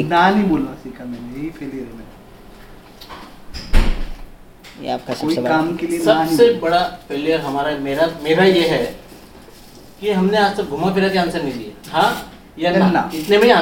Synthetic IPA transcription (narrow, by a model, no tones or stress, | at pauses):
naːnĩboːlnasiːkʰamɛ̃neĩpʰeːlijəɾɦemɛːn | koːikaːmkeliesɐbsebɐɽapʰeːlijəɾɦɐmaːɾameːɾameːɾajeɦɛ | kiɦɐmneaːd͡ʒsɐɡʱʊmapʰɪɾak̪eãːnsəɾnĩlijaɦãː | jaaɪt̪nebɐɽiãː